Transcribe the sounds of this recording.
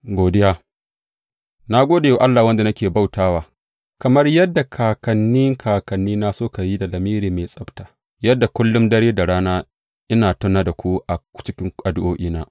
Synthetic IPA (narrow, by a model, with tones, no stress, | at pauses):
ɡʷoː˨dɪ˦ja˦ | na˦ɡʷoː˦da˨ja˨ʔa˦lːaː˨wɐ˦nda˨nɐ˦kʲeː˨ba˦˨wtaː˦waː˨ | kɐ˨mɐ˦rjɐ˦dːa˨kʰaː˨kɐ˨nːi˦ŋkʰaː˨kɐ˨nːiː˦na˦soː˦ka˨ji˦da˨lɐ˨miː˦ɾiː˨me˨sʼɐ˦btaː˨ | jɐ˦dːa˨kʷʊ˦lːʊ˦mdɐ˦ɽeː˦da˨ɽaː˦naː˦ | ʔɪ˦naː˨tʊ˦nːaː˦da˨kʷu˦ʔa˨t͡ʃɪ˦kʲɪ˦ŋʔa˨dʊ˦ʔoː˦ʔiː˦naː˦